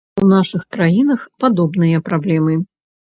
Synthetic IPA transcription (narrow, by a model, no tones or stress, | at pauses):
unaʂɨxkɾajinɐxpad̪ɔbnɨjɐpɾablʲɛmɨ